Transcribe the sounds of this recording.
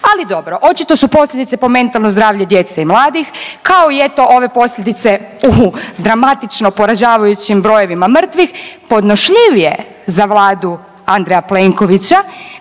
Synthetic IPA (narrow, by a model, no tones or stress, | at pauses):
alid̪o̞bɾo̞ʔo̞t͡ʃit̪o̞supo̞slʎʲed̪it̪se̞po̞me̞nt̪alˠno̞zd̪ɾaːʋʎed̪je̞t̪seimlaːd̪ixkaoijet̪o̞ʔo̞ʋe̞po̞sʎʲed̪it̪se̞ | ud̪ɾamat̪it͡ʃnopo̞ɾaʒaːʋajut͡ɕimbɾo̞jo̞ʋimamr̩t̪ʋixpo̞d̪noʃʎiʋije̞̰ | zaʋlˠaːd̪u | and̪ɾejapleŋko̞ʋit͡ɕa